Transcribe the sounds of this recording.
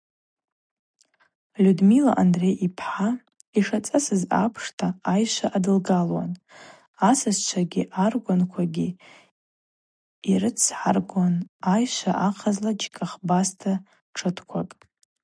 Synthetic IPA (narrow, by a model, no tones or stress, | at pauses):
lʲudmila̰ʔandrejʔipʰħa | iʂat͡sʼasɨza̰pʰʂtʰaajʃʷaʔadɨlɡalwa̰n | asɨzt͡ʃʷʰaɡʲiʔarɡʷʊnkʷʰaɡʲi | iɾɨt͡sʰħa̰rɡʷanajʃʷaʔaqʰazlad͡ʒkʼaχbastʰa | ʈ͡ʂʰɨtʰkʷʰakʼ